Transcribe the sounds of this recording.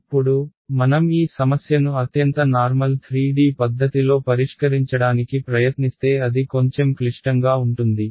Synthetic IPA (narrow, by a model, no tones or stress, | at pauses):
ɐpːuɽumɐnɐmiːsɐmɐsjɐnuɐt̪jɐnt̪ɐnaːɾmɐlt̪ʰɾiːɖiːpɐd̪ːɐt̪ilo̞ːpɐɾiʂkɐɾiɲt͡ʃɐɽaːnikipɾɐjɐt̪nist̪e̞ːɐd̪iko̞ɲt͡ʃemkliʂʈɐŋɡaːuɳʈund̪i